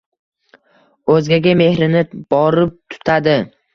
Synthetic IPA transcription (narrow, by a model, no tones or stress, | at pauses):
ɵzɡʲaɡʲame̞hɾɪnɪb̥ɒɾɪp̚t̪ʰʊ̥t̪ʰad̪ɪ